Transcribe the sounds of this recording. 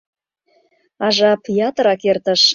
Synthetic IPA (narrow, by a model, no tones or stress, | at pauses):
ɑʒɑpjɑt̪əɾɑkert̪ə̆ʃ